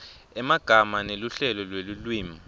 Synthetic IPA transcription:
ɛmaɡ̥ʱamaneluɬɛlɔlwelulwiːma

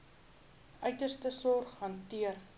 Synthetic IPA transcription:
œɥtərstəsɔrχɦɐntiər

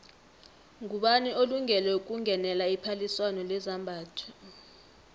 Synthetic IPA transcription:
ŋuɓaniʔoluŋɛlɛuk̬ʼuŋʱɛnɛlaipʰaliswanɔlɛzambʱaːtʰɔ̥

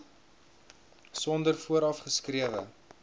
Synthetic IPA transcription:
sɔndərfuəɾɐfχəskriəvə̰

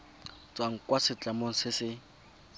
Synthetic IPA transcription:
t͡sʼwaŋ̩kʼwasɪt͡ɬʼamoŋ̩sɪsɪ

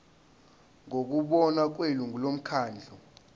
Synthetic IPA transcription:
ŋok̬uɓɔnak̬weluŋʱulom̩kʰaːnd͡ɮʱɔ

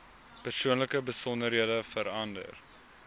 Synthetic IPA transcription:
pərsuənləkəbəsɔndəɾɦiədəfəɾɐndə̰r

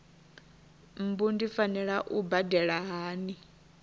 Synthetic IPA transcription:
m̩bundifanɛɺaʔubadɛɺaɦaːni

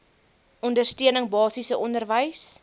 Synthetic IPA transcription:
ʔɔndərstiənəŋbɑːsisəʔɔndərvəjs

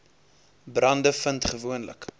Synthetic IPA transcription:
brɐndəfəntχəvuənlə̰k

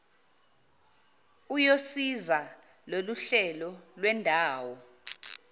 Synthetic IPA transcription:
ujosiza | loluɬɛlɔlwɛndʱaːwɔ

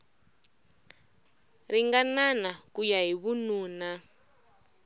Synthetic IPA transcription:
riŋɡananakujaɦiβunuːna

